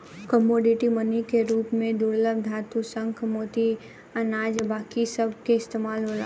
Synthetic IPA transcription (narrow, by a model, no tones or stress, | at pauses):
kəmoːɖɪʈimənikeɾuːpmẽd̪uɾləb̚d̪ʱaːt̪usə̃ŋkʰmoːt̪i | ɐnaːd͡ʒbaːkisɐb̚keɪst̪eːmaːlɦoːla̰ː